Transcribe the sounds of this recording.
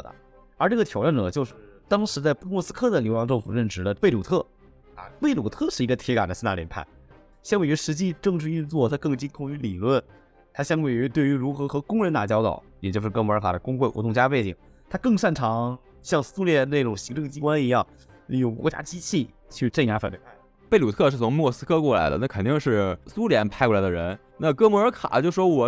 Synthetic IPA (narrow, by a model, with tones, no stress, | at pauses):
ə̰˩ | ə˞˧˥ʈ͡ʂɤ˥˩ɡə˩t̪ʰjɑ˨˩ʊʈ͡ʂa˥˩nʈ͡ʂɤ˨˩t͡ɕjo˥˧ʊʂɻ̩˥˩t̪ɑ˥ŋʂɻ̩˧˥t͡sa˥˧ɪpu˥mwɔ˥˧sɹ̩˥kʰɤ˥˩d̪ə˩ljo˧˥ʊjɑ˧˥ŋʈ͡ʂɤ˥˩ŋfṵ˨˩ɻə˥˩nʈ͡ʂɻ̩˧˥d̪ə˧pe˥˩u˨˩t̪ʰɤ˥˩ | ɐ̰˧pe˥˩ɪlu˨˩t̪ʰɤ˥˧ʂɻ̩˥˩i˧˥ɡə˧t̪ʰjɛ˧˥ka˨˩nd̪ə˦s̩˥na˥˩ljɛ˧˥pʰa̰˥˩˦n | ɕjɑ˥ŋwe˩ɥɛ˧˥ʂɻ̩˧˥t͡ɕi˥˧ʈ͡ʂɤ˥˧ŋʈ͡ʂɻ̩˧y˥˧nt͡swɔ˥˩t̪ʰa˥kɤ˥˩ŋt͡ɕi˥nkʰʊ˥˩ŋy˧˥li˨˩lwə˥˩n | t̪ʰa˥ɕjɑ˥˧ŋwe˨˩ɪɛ˧˥t̪we˥˩ɪy˧˥ɻu˧˥xɤ˧˥xɤ˧˥kʊ˥ŋɻə˧˥nt̪a̰˨˩t͡ɕjɑ˥ʊt̪ɑ̰˨˩˦ʊjɛ˨t͡ɕjo˥˧ʂɻ̩˥˩kɤ˥mɔ˧˥ə˞˧˥kʰa˨˩d̪ə˦kʊ˥ŋxwe˥˩ɪxwɔ˧˥t̪ʊ˥˧ŋt͡ɕja˥pe˥˩ɪt͡ɕḭ˨˩˦ŋ | t̪ʰa˥kɤ˥˧ŋʂa˥˩nʈ͡ʂʰɑ˧˥ŋ | ɕjɑ˥˧ŋsu˥ljɛ˥˧ne˥˩ɪʈ͡ʂʊ˨˩ŋɕi˧˥ŋʈ͡ʂɤ˥˩ŋt͡ɕi˥kwa˥ni˧˥jɑ˥˩ŋ˧˩ | jo˨˩kwɔ˧˥t͡ɕja̰˥t͡ɕi˥t͡ɕʰi˥˧ | t͡ɕʰy˥˧ʈ͡ʂnja˧˥fa˨˩ne˥˩pʰa˥˩ | pe˥˩ɪlu˨˩t̪ʰɤ˥˧ʂɻ̩˥˩t͡sʰʊ˧˥ŋm˥wɔ˥˧˩sɹ̩˥kʰɤ˥˧kwɔ˥˩la̰˧˥ɪd̪ə̰˧na˥˩kʰə˨˩nt̪i˥˧ŋʂɻ̩˥˩su˥ljɛ˧˥npʰa˥˧ɪkwɔ˥˩la˧˥ɪd̪ə˧ɻə˧˥n | na˥˧kɤ˥mɔ˧˥ə˞˧˥kʰa̰˨˩˦t͡ɕjo˥˧ʊʂɻ̩˧ʂwɔ˥wɔ˨˩